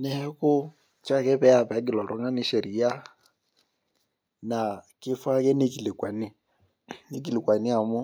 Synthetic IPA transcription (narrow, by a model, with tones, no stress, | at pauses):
nɛ˦ɛ˦kʊ˦ | t͡ʃa˦˨kɛ˦pɛ˦a˦˨pɛ˨a˨˦ɡɪ˨lɔ˨ɾɔ˦ŋa˦ni˦ʃɛ˨ɾi˨ja˦ | na˨kɪ˦fa˦kɛ˦ne˦ki˨le˨kwa˨ni˦ | ne˦ki˨li˨kwa˨ni˦a˨mɔ˦